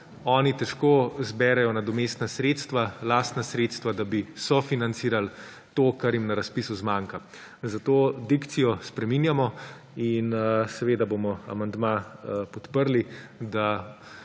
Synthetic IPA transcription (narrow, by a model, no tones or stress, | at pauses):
ɔːnit̪ɛʃkoːzbɛɾɛjɔnad̪ɔmeːst̪nasɾeːt̪st̪ʋalaːst̪nasɾeːt̪st̪ʋad̪abisɔfinant̪siːɾal | t̪oːkaɾjimnaɾaspisuzmaːŋka | zat̪oːd̪ikt̪sijɔspɾɛmiːnjamɔ | insɛʋeːd̪abomɔa̰mand̪mapɔt̪pəɾlid̪a